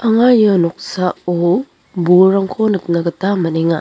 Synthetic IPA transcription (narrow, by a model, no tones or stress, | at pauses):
aŋajɔnɔk̚sao | buɾaŋkʰonɯt̚naɡɐtamɐneŋa